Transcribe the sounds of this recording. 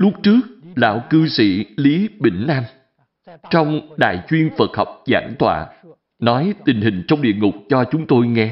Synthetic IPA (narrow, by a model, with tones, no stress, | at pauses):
lʊ˦˥k̚t͡ɕɨ˦˥ək̚la̰ː˧˥˨wkɨ˧sḭ˧˩li˨˦ɓḭ˧˩ŋ̟ʔaː˧m | t͡ɕɔ˧wŋ͡mɗa̰ː˧˨jt͡ɕwi˧ənfə˨˩t̚hɔ˨˩wk͡p̚za̰ː˧˩nt̪ʰwa̰ː˧˨ | nɔ˨˦jt̪ï˨˩ŋ̟ɦï˨˩ŋ̟t͡ɕwŋ͡mɗḭ˧˨əŋʊ˨˩k͡p̚t͡ɕɔ˧t͡ɕʊ˨˦ŋ͡mt̪o˧jŋɛ˧